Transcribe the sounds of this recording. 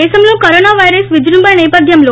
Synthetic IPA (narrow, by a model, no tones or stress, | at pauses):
esəmlõkəɾonaʋajɾəsʋid͡ʒɾumbəɾɳepəd̪ʱjəmlo